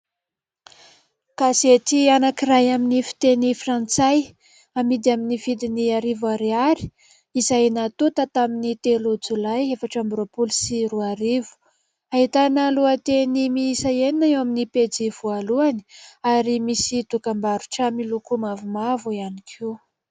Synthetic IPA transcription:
kazet̪ianakirajaminifi̥t̪enifrant͡saj | amid̪iaminiv̥id̪iniaɾivaɾeaɾi̥ | izajnat̪ut̪ət̪aminit̪elud͡zulajefaʈ͡ʂambɾopulsiruaɾivu̥ | aɦit̪anəluat̪enimisaeninaewaminiped͡ziv̥ualuani̥aɾimisit̪ukambaɾu̥ʈ͡ʂəmilukumavumavuianikʰi

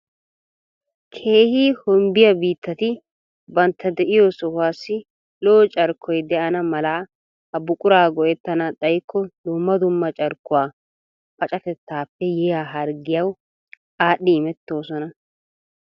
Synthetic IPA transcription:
kʰe̞ːhiːhɔmbɪjɐbiːt̪ːɐt̪ɪ | bɐnt̪ʰːɐd̪ɛʔɪjoːsɔhwaːsːɪ | loːt͡ʃʼɐɾkʰːɔjd̪ɛʔɐnɐmɐlaː | hɐbʊkʼʊɾaːɡɔʔɛt̪ːɐnɐɗɐjkːɔd̪ʊmːɐd̪ʊmːɐt͡ʃʼɐɾkːʊwaː | fɐt͡ʃʼɐkɛt̪ːaːpːɛjɛjaːɦɐɾɡɪjɐw | aːɗːɪɪmɛt̪ːo̞ːsɔnɐ

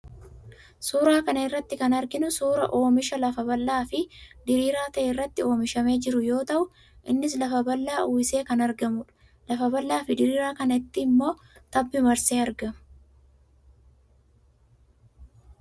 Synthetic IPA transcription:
suːɾaːkɐnɐɪrːɐt̪ːɪkɐnɐɾɡɪnʊsuːɾɐʔo̞ːmɪʃɐlɐfɐbɐlːaːfɪd̪ɪɾiːɾaːt̪ɐʔeːɪrːɐt̪ːɪo̞ːmɪʃɐme̞ːd͡ʒɪɾʊjo̞ːt̪ɐʔʊ | ʔɪnːɪs̬lɐfɐbɐlːaːʔuːɪse̞ːkɐnɐɾɡɐmʊᶑɐ̥ | lɐfɐbɐlːaːfɪd̪ɪɾiːɾaːkɐnɐɪt̪ːɪːmːo̞ː | t̪ɐbːɪmɐɾseːɐɾɡɐmʊ̥

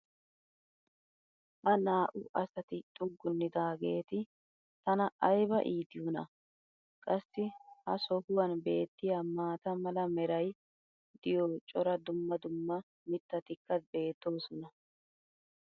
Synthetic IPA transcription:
hɐnaːʔʊʔɐsɐt̪ɪt͡ʃʼʊɡːʊnːɪd̪aːɡe̞ːt̪ɪ | t̪ɐnɐʔɐjbɐʔiːd̪ɪjʊnɐ | kʼɐsːɪhɐsɔhʊwɐnbe̞ːt̪ːɪjɐmaːt̪ɐmɐlɐmɛɾɐj | d̪ɪjoːt͡ʃʼɔɾɐd̪ʊmːɐd̪ʊmːɐ | mɪt̪ːɐt̪ɪkːɐbe̞ːt̪ːo̞ːsɔnɐ

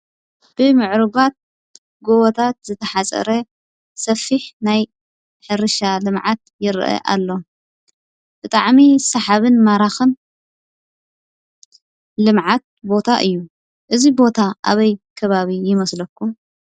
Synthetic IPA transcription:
b̥ɨmɨʕɾɨɡat̪̚ | ɡoβot̪ʰat̪̚zɨt̪ʰɐħat͡sʼɐ̰ɾɐ | sɐfiħnaj | ħɨɾɨʃalɨmʕat̪̚jɪɾʔɐ̰ʔa̰lːo̞ | b̥ɨt̪ʼaʕmisɐħaβɨnmaɾaxɨn | lɨmʕat̪̚bo̞t̪ʰaʔɨjːu | ʔɨzibo̞t̪ʰaʔa̰βɐjkʰɐβaβijɪmɐslɐkːu

